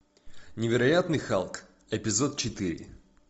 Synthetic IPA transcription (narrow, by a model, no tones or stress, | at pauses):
nʲɪvʲɪɾɐjat̪nɨjxalˠk | ɛpʲɪzot̪̚t͡ɕɪt̪ɨɾʲɪ̰